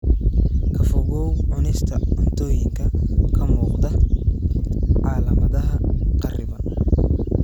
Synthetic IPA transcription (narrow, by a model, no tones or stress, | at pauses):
kʰɐfɔɣɔwʕʊnɛst̪ʰɐɔnt̪ʰɔːjɪŋkʰɐkʰɐmuːqd̪ɐ | ʕɑːlɐmɐðɐɦɐqɑrɪβɐ